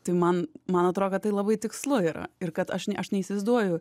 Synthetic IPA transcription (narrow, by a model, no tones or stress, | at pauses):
t̪ɐɪmɐnmɐnɐt̪ɾoːdʲkɐtːɐɪlˠɐbɐɪt̪ʲɪkslˠʊiːɾɐ̰ɪɾkɐt̪ɐʃnʲɛʔɐʃnʲɛiːsʲɐɪzd̪uɔjʊ